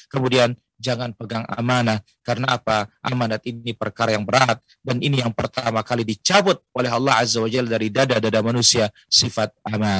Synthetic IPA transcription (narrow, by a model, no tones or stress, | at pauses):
kəmudian | d͡ʒaŋanpəɡaŋa̰manah | karnaːpaʔamanat̪inipərkaɾajaŋbəɾat̪̚ | daninijaŋpərt̪amakalidit͡ʃabʊt̪̚olɛɦɑlːɑhɦazawad͡ʒaldaɾidadadadamanusia | sifat̪̚ʔamana